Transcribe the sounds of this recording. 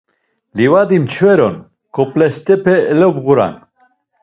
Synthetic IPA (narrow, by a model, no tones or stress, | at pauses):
livad̪imt͡ʃʰvɛɾon | koplɛst̪ɛpʰɛlɛbɣuɾa̰n